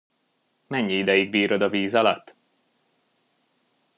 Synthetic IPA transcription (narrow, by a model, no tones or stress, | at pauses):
mɛɲːiid̪ɛjiɡ̚biːɾo̞d̪ɒviːzɒlɒ̰t̪ː